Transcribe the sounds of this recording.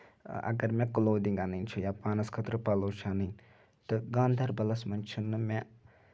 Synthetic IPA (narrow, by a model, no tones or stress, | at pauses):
ʔɐ̰ɡɐɾmẽkuloːd̪iŋɡanɐnt͡ʃʰujapaːnɐskʰɐt̪ɾəpaloːt͡ʃʰaːnɨn | t̪ɨɡãːnd̪ʱɐɾbɐlɐsmɐnt͡ʃʰunːɨmẽ